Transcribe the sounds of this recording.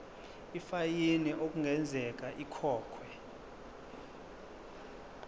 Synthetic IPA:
ifajinɛʔok̬ʼuŋɡʱɛnd͡zʱɛk̬aʔikʰɔːkʰwɛ

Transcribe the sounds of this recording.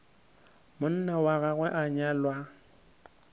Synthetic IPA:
mʊn̩nawaɣaɣwɛʔaɲalwa

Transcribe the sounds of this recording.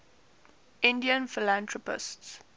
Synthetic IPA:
ʔɪ̃ndiə̃nfɪlãntɹɔpɪ̰sts

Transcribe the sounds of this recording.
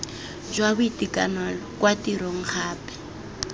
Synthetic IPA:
d͡ʒwabʊitikʼanalɔkʼwatiɾɔŋ̩k͡xʰaːpɛ̥

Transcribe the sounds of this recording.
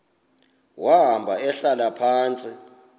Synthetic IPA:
waɦambʱaɛɬalapʰaːnt͡sʼi

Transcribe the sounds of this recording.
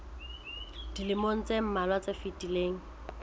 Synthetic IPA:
d̥ilɪmon̩t͡sem̩malwat͡sefitʼileːŋ̩

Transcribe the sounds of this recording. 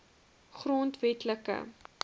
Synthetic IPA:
χrontvɛtləkə̰

